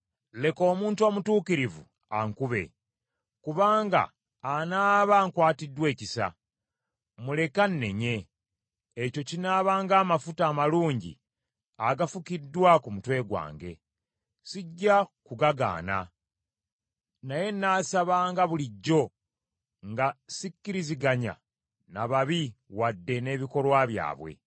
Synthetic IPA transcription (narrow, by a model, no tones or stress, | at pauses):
le̞ko̞ːmuːntuomutuːkiɾivṵ | aŋkuβe̞̰ | kuβaːŋɡa̰ː | naːβaŋkwaːtidːwe̞ːcisa̰ | mule̞kanːe̞̰ɲe̞ː | co̞cinaːβaːŋɡaːmafutaːmaluːɲɟḭ | aɡafukidːwakumutwe̞ːɡwa̰ːŋɡe̞̰ | siɟːakuɡaɡa̰ːna̰ | naje̞nːaːsaβaːŋɡaβuliɟːo̞ | ŋɡasicːiɾiziɡaɲa̰ | naβaβiwadːe̞ne̞ːβiko̞lwaβja̰ːβwe̞̰